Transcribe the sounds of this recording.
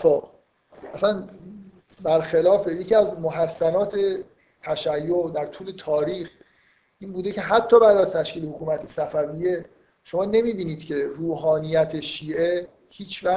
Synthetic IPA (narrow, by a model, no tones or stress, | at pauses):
fɒː | ʔæsæn | bæɾxelɒːfeje̞cʰiːæzmoɦæsːænɒːt̪ʰe̞ | t̪ʰæʃæjːoʔd̪æɾt̪ʰuːle̞t̪ʰɒːɾiːx | ʔiːnbuːd̪ecʰe̞ɦæt̪ʰːɒːbæːd̪æzt̪ʰæʃciːlehokʰuːmæt̪ʰesæfæviːje̞ | ʃo̞mɒːne̞miːbiːniːd̪̥cʰe̞ɾuːɦɒːnijæt̪ʰe̞ʃiːʔe̞ | hiːt͡ʃʰvæ